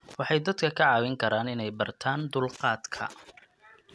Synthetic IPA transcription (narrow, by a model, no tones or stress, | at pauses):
wɑħɑjd̪ɐd̪kʰɐkʰɐʕɑːwɪŋkʰɐɾaːnɪnɛjbɐrt̪ʰaːnd̪ʊlqɑːd̪kʰɐ̰